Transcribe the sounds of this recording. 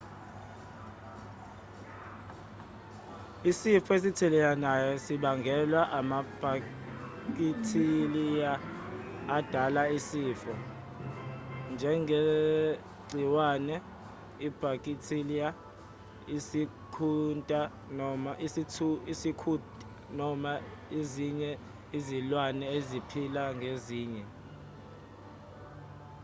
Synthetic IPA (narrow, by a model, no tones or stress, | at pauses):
isifɔes̬itʰɛlɛjanajɔsiɓaŋɡʱɛlwaʔamab̥ʱa | kʼitʰilijaː | d̥ʱalaisiːfɔ | nd͡ʒʱɛŋɡʱe | ɡ͡ǀʱiwaːnɛ | ib̥ʱakʼitʰilija | isi | kʰuntʼa | nɔmaʔisitʰuisikʰutʼa | nɔmaeziɲɛ | izilwanɛezipʰilaŋʱeziːɲɛ